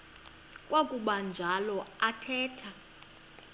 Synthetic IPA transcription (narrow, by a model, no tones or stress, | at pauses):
kʼwakʼuɓand͡ʒʱalɔatʰɛːtʰa